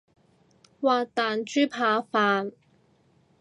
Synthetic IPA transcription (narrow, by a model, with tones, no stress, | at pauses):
waː˨t̪aː˨nt͡ʃyː˥pʰaː˨˧faː˨˧n